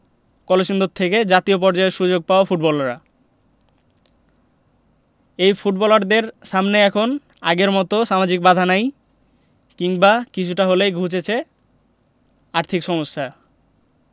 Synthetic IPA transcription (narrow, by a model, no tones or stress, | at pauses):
kɔleʃind̪ot̪ʰːeked͡ʑat̪iop̬ɔɾd͡ʑaeɾʃud͡ʑoɡ̚paofuʈ̚bɔlɾa̰ | ejfuʈbɔlaɾd̪eɾʃamneɛkʰon | aɡeɾmɔt̪oʃamad͡ʑik̚bad̪ʱanaj | kiŋbakit͡ɕʰuʈaɦolejɡʱut͡ɕet͡ɕʰe | aɾt̪ʰikʃɔmoʃːa